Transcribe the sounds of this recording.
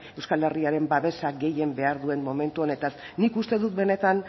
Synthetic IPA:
e̞wskale̞riaɾe̞mbaβe̞saɡe̞je̞mbe̞aɾðue̞mmo̞me̞nt̪uo̞ne̞t̪as | nikust̪e̞ðut̪̚be̞ne̞t̪an

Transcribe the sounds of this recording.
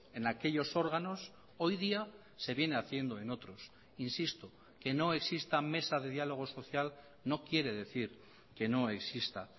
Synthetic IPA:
e̞nake̞ʎo̞so̞ɾɣano̞s | o̞jðia | se̞βje̞neaθje̞nd̪o̞e̞no̞t̪ɾo̞s | insist̪o | ke̞no̞e̞ksist̪ame̞saðe̞ð̞jalo̞ɣ̞o̞so̞θjal | no̞kje̞ɾe̞ðe̞θiɾ | ke̞no̞e̞ksist̪a

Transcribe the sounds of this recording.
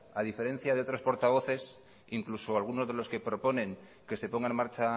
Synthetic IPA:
aðife̞ɾẽ̞n̟θjaðeo̞t̪ɾo̞spo̞ɾt̪aβo̞θe̞s | iŋklusoalɣ̞uno̞zðe̞lo̞ske̞pɾo̞po̞nẽ̞ŋ | ke̞se̞po̞ŋɡaenmaɾt͡ʃa

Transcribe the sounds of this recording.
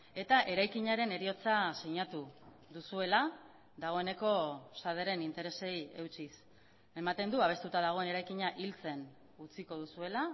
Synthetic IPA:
e̞t̪aʔe̞ɾajkiɲaɾe̞ne̞ɾio̞t͡sasiɲat̪u | ðusue̞la | ðaɣ̞o̞e̞ne̞ko̞saðeɾe̞nint̪e̞ɾe̞se̞je̞wt͡ʃis | e̞mat̪e̞nd̪uaβe̞st̪ut̪aðaɣ̞o̞e̞ne̞ɾajkiɲaʔilt͡se̞n | ut͡siko̞ðusue̞la

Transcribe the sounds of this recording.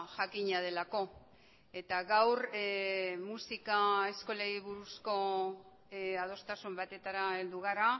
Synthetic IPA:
ʝakiɲað̞e̞lako̞ | e̞t̪aɣawɾ | musikae̞sko̞leɾiβuɾusko̞ | að̞o̞st̪asumbat̪e̞t̪aɾae̞ld̪uɣ̞aɾa

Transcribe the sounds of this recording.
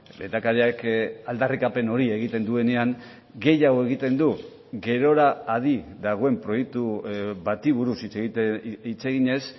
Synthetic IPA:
lḛnt̪akaɾiakald̪arikape̞no̞ɾie̞ɣ̞it̪e̞nd̪ue̞ne̞aŋ | ɡe̞jawe̞ɣit̪e̞nd̪u | ɣe̞ɾo̞ɾaːð̞iðaɣ̞o̞e̞mpɾo̞je̞k̚t̪uβat̪iβ̞uɾusit͡s | it͡se̞ɣiɲe̞s

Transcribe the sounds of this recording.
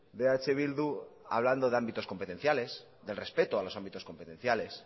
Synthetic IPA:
d̪e̞at͡ʃeβild̪ua̰β̞land̪o̞ðe̞ambit̪o̞sko̞mpet̪en̟θjale̞s | ðe̞lre̞spe̞t̪oalo̞sambit̪o̞sko̞mpet̪ẽ̞n̟θjale̞s

